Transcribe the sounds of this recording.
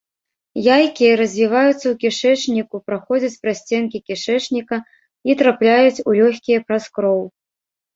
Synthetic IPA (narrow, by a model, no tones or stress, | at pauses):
jajkʲijɐɾɐzʲvʲivajut̪sːɐwkʲiʂɛt͡ʂnʲikupɾaxɔd͡zʲɐt͡sʲpɾasʲt͡sʲɛnkʲikʲiʂɛt͡ʂnʲikɐ | it̪ɾaplʲajut͡sʲulʲɔxʲkʲijɐpɾaskɾɔw